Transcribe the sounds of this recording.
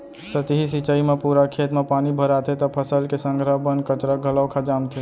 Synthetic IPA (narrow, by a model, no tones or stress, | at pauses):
sət̪iɦisit͡ʃəimepuɾakʰet̪mepanibʱəɾat̪ʰet̪ɔpʰəsəlkesəŋɡɾəbənkət͡ʃɾəɡʱələwkʰad͡ʒamt̪ʰe